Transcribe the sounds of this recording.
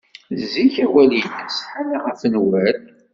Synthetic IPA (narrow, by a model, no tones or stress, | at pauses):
ziçæwælinəsħanaʁəfnwæl